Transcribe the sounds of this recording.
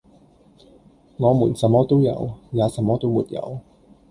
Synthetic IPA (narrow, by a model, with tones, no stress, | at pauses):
ŋɔː˨˧muː˨˩nsɐ˨˥mɔː˦˥t̪o˥wjɐ̰˨˧wjaː˨˧sɐ˨˧˥mːɔː˥t̪o˥wmṵ˨t̚jɐ̰˨˧w